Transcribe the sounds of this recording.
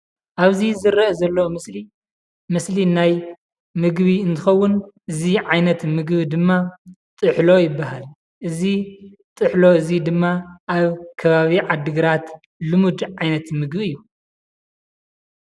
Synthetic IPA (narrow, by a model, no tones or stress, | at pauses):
ʔaβzizɨɾɐɐzɐlːɐmɨsli | mɨslinaj | mɨɡβiɨnt̪ʰɨxɐwːʊnʔɨziʕajnɐt̪mɨɡbid̪ɨmːat̪ʼɨħlo̞jɪbːaɦal | ʔɨzi | t̪ʼɨħlo̞ɨzid̪ɨmːaʔaβkʰɐβaβiʕad̪ɨɡɨɾat̪ | lɨmud̪ʕajnɐt̪mɨɡβiɨjːu